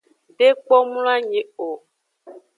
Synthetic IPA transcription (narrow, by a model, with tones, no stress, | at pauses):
de˦k͡pɔ˦mũ˦la˦ɲẽ˨o˨